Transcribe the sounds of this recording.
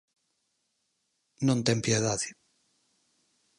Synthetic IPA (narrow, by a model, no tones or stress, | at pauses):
nõnt̪empjeðaði